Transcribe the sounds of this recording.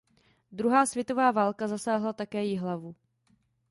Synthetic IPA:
d̪ɾuɦaːsv̥ʲjɛt̪o̞vaːvaːlkazasaːɦlat̪akɛːjɪɦlavu

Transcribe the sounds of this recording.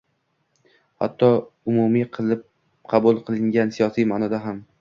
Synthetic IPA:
ha̰t̪ʰːɒʊmumiqʰɨlˠɪp̚ | qʰɑbulˠqʰɨlˠɪŋɡʲansijɒsijmaːnɒd̪aɦam

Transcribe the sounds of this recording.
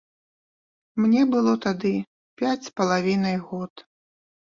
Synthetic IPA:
mnʲɛbɨlˠɔt̪ad̪ɨ | pʲat͡sʲpɐlˠavʲinɐjɣɔt̪

